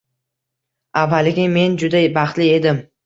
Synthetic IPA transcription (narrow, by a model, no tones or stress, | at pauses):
avːalɪɡʲɪme̞nd͡ʒʊd̪abaχt̪lɪe̞d̪ɪm